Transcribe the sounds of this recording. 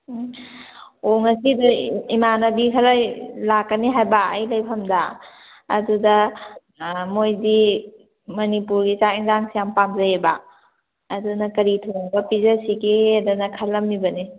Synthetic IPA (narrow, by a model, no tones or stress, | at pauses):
oŋɐsiduimanɐbikʰɐɾajlakːəniɦajbaɐ̰jlɐjpʰɐmda̰ː | dudɐ | mojdi | mɐnipuɾɡit͡ʃaiŋzaŋsʰijampamzɐebaː | dunɐkɐɾitʰoŋbɐpizɐsikedunɐkʰɐlːɐmːibɐni